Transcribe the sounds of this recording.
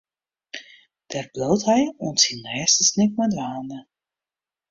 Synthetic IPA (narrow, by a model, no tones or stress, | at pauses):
d̥ɛːrblowtɦɛjuntsinːɛːstəsnɪk̚madʋaːndə